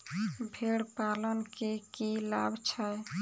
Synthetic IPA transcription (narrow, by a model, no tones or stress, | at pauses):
bʱeɽpalənkekilabʱt͡ʃʰəj